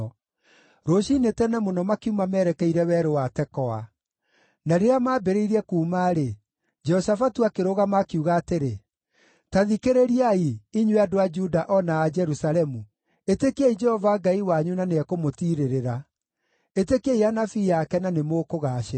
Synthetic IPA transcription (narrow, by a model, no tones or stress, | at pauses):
ɾoɕinetɛnɛmonɔmakiumamɛɾɛkɛiɾɛwɛːɾowatɛkɔa | naɾeamaːbeɾeiɾɛkuːmaːɾe | d͡ʒɛhɔsafatuakeɾoɣamakiuɣaːteɾe | taðikeɾeɾiaiiɲweadoad͡ʒudaʔɔnaːd͡ʒɛɾusalɛmu | etekeid͡ʒɛhɔvaɡaiwaɲunaneɛkomotiɾeɾeɾa | etekeianafijakɛnanemoːkoɣaːʃe